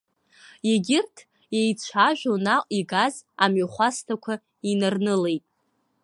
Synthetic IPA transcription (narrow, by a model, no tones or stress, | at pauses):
jeɡʲɪrtʰ | jejt͡ɕʷʰaʒᶣʷonaiɡazamɥaχʷastʰakʷʰa | inarnɨle̞jtʼ